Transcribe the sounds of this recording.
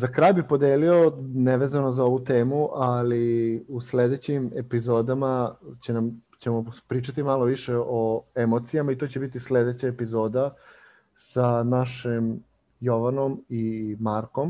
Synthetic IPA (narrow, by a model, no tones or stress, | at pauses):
zakɾajbipod̪eːlio̞neʋezanozao̞ʋut̪eːmuʔaliusle̞d̪e̞t͡ɕimepizo̞ːd̪amat͡ɕenamt͡ɕe̞mopɾiːt͡ʃat̪imalo̞ʋiʃeʔoemo̞t̪sijamait̪o̞t͡ɕe̞bit̪isle̞d̪e̞t͡ɕaepizo̞ːd̪a | sanaʃim | joʋano̞mimaɾko̞m